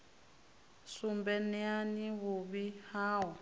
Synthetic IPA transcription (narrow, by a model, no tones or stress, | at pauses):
sumbɛnɛaniβuβihaːwa